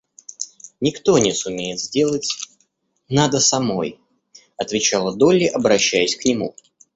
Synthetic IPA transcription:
nʲɪkt̪o̞nʲɪsʊmʲejɪt̪zʲdʲe̞lˠətʲ | nad̪əsɐmo̞j | ɐt̪vʲɪt͡ɕalˠəd̪o̞lʲɪʔɐbɾɐɕːæjɪsʲknʲɪmṵ

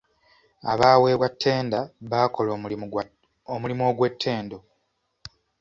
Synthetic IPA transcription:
aβaːwe̞ːβwatʰːe̞ːndaβaːko̞lo | omulimoːɡwe̞tʰːe̞ːndo

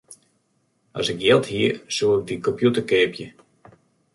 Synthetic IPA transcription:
ʔɔ̰sɪkjɪlˠtɦiəsuːɪk̚dikɔmpjutəkeːpjə

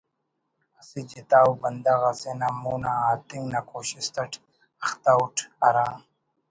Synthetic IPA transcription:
ɐsid͡ʑit̪aːwbɐnd̪aɣasenamuːnaaːt̪iŋɡnakoːɕist̪ɐʈʰ | ɐxt̪auʈʰɐɾaː

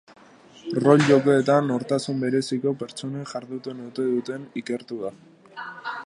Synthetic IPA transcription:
ro̞ʎʝo̞keːt̪ano̞ɾt̪asumbe̞ɾe̞siko̞pe̞ɾt͡so̞neʝaɾðut̪unet̪e̞ðut̪e̞nike̞ɾt̪uða

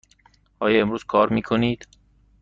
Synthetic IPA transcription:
hɒːjɒːemɾuːz̥kʰɒːɾmiːkʰoniːd̪̥

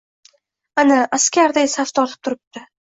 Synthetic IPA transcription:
anaʔaskʲaɾd̪asaft̪ʰɒlɪp̚t̪ʰʊɾɪp̚t̪ɪ

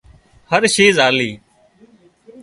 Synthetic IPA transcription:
həɾʃiːzaːliː

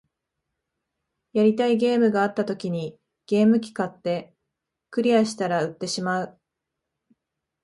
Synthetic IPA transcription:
jaɾʲit̪aiɡe̞ːmɯ̟ɡaːt̪ːat̪o̞kʲiɲ̟i | ɡ̥e̞ːmɯ̟kʲi̥kat̪ːe̞ | kɯ̟ɾʲiaɕi̥t̪aɾaɯ̟t̪ːe̞ɕimaɯ̟

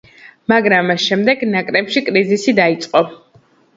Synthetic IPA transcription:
maɡɾamːasʃɛmd̪ɛɡnakʼɾɛpʃikʼɾizisid̪ait̪sʼqʼɔ

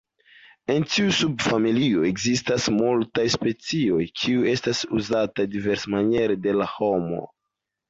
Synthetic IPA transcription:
e̞ntiusub̚familio̞e̞ɡzistasmultajspe̞t͡sio̞jkʰiue̞stasuzatadive̞ɾsmanje̞ɾede̞laho̞mo̞̰

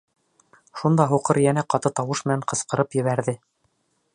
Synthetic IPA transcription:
ʃund̪ɑɦuqɤɾjænæqɑt̪ɤt̪ɑwɤʃmɘ̆næɴqɤ̆sqɤ̆ɾɤpjɘ̆βæɾðɘ

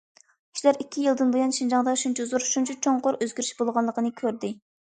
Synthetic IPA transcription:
iʃlæɾikʲʰːijilˠd̪ɨnbɨjɑnʃind͡ʒɑŋd̪ɑʃunt͡ʃʰizuɾʃunt͡ʃʰut͡ʃʰoŋqʊɾøzɡʲyɾyʃbolˠʁɑnlˠəqənɨkʲʰøɾd̪ɪ

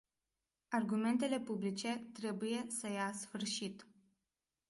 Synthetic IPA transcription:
arɡume̞nt̪e̞le̞publit͡ʃe̞t̪ɾe̞buje̞səjasfɨrʃit̪

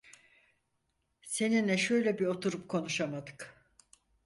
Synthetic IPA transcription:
se̞ninɛʃø̞jlʲebio̞t̪ʰuɾup̚kʰo̞nuʃamad̪ɯ̥k

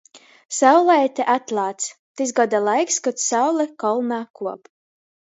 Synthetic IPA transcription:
sawlˠɛjt̪ɛʔat̪lˠaːt̪st̪izɡɔd̪alˠajkskɔt̪sawlˠɛkɔlˠnaːkuɔp

